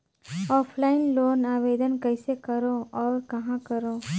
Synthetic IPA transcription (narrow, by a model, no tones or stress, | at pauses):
ɔːpʰlaːɪnloːnaːʋeːd̪ənkəɪsekɐɾõɔːɾkɐɦãkəɾõː